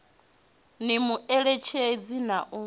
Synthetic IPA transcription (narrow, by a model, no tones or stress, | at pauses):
nimuɛɺet͡ʃʰed͡zinaʔu